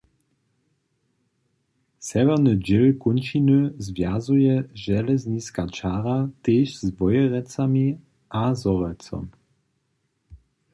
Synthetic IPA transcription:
sɛvɛʁnəd͡ʒɪlkunʃinəzvjazujɛʒɛlɛzniskat͡ʃaːʁat̪eːʃzbɔjɛʁɛt͡sami | ʔazɔʁɛlt͡sɔ̰m

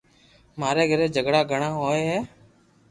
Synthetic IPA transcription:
maːɾeːɡʱəɾeːd͡ʒʱəɡɽaːɡʱəɳaːɦoːeɦɛː

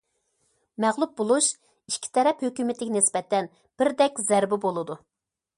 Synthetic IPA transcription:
mæʁlˠup̚bolˠuʃ | iʃkʲʰːi̥t̪ʰɛɾɛphøkʲymɪt̪ʰɪkʲɪnɪsbɛt̪ʰːɛn | b̥ɪɾd̪ɛkʲzɛɾbɪbolˠɨd̪u

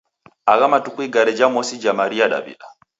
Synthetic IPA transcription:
aɣamatukuiɡaɾɛd͡ʒamɔsid͡ʒamaɾiaɗa̰bḭɗa

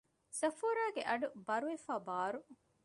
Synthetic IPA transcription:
sɐfoːɾaːɡeʔɐɖubɐɾuʋefaːbaːɾu

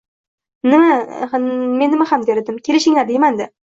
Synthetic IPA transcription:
nɪma | menːɪmahamd̪eɾɪd̪ɪmkʲʰe̞lɪʃɪŋlaɾd̪ejmand̪ɪ

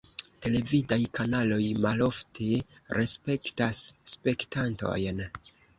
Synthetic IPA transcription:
te̞le̞vidajkanalo̞jmalo̞ftʰe | ɾe̞spe̞ktasːpe̞ktanto̞̰jn

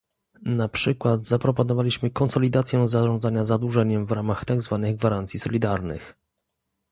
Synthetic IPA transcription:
napʂɘkwad̪zapɾɔpɔnɔvalʲiɕmɘkɔnsɔlʲid̪at̪sʲjɛ̃zaʐɔ̃nd̪zaɲazad̪wuʐɛɲɛmvɾamaxt̪aɡzvanɘɣɡvaɾant̪sʲisɔlʲid̪aɾnɘ̰x

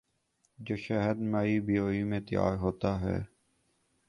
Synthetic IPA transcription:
d͡ʒoːʃɛɦəd̪maːiːbijoːiːmẽːt̪ja̰ːɾɦoːt̪aːɦɛ̰ː

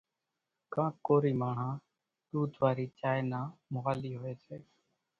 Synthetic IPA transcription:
kãːkoːɾiːmaːɳ̤ãː | ɗ̪uːd̪ʱʋaːɾiːt͡ʃaːjnaːmʊɦaːliːɦʊeːseː

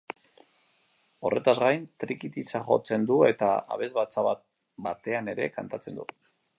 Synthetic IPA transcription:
o̞̰re̞t̪azɣajnt̪ɾikit̪it͡saχo̞̰t͡se̞nd̪ue̞t̪a̰a̰βe̞zβat͡saβa | bat̪e̞ane̞ɾe̞kant̪at͡se̞nd̪u

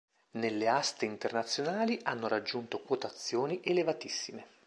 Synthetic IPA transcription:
nelːeast̪eint̪ernat̪sːjonaːliʔanːoɾad͡ʒːunt̪okwot̪at̪sːjoːniʔelevat̪isːime

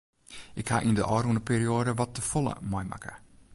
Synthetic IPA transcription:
ʔɪkhaʔindəʔɔːrundəpʰeːɾioːdəʋɔtːəfolˠə̰mɔjma̰kə̰

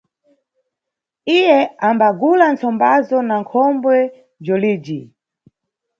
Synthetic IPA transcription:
ijɛambaɡulant͡sɔmbazɔnaŋkʰɔmbwɛ | b͡ʐɔliːd͡ʒi

